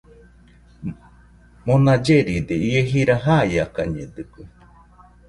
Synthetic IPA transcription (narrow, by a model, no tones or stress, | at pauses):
mõnad͡ʒeɾid̪eieɦiɾaɦajakaɲḛ̃d̪ɨku